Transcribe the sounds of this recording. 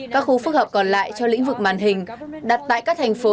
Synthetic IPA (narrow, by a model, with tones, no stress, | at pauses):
kaː˦˥k̚xu˧fɨ˦˥k̚həː˨˩p̚kɔ˨˩nla̰ː˧˨jt͡ɕɔ˧lḭ̈˧˥ŋ̟vɨ˨˩k̚maː˧˨˩nɦï˨˩ŋ̟ɗa˨˩t̚t̪a̰ː˧˨jkaː˦˥k̚t̪ʰa˨˩jŋ̟fo˨˦